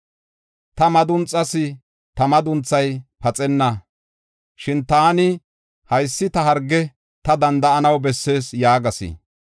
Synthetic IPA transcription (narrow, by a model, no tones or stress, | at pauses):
t̪ɐmɐd̪ʊnt͡sʼːɐsɪ | t̪ɐmɐd̪ʊnt͡sːɐjpɐt͡sʼɛnːɐ | ʃɪnt̪aːnɪ | hɐjsːɪt̪ɐɦɐɾɡːɛ | t̪ɐd̪ɐnd̪ɐɐnɐwbɛsːe̞ːsjaːɡɐsɪ̰